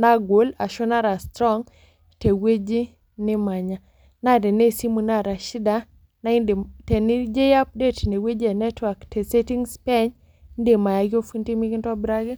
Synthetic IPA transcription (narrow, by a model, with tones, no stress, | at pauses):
na˦ɡwo˨˦la˨ʃo˦na˦ɾa˨stɾɔ˦ŋ | te˨we˦d͡ʒi˦ | nɪ˦ma˨ɲa˨ | na˦˨dɛ˨ne˦si˦mu˨na˦˨ɾa˨ʃi˦da˨ | na˦ndte˨nɪ˦d͡ʒe˦ja˦p̚de˦˨tne˨we˦d͡ʒɛ˨nɛ˦twa˨kte˨se˦ti˦ŋspɛ˦ɲ | nde˨ma˨ja˨ɡɪ˦o˦fu˦nti˦mi˦kɪ˦ntɔ˦bɾa˦ɡi˦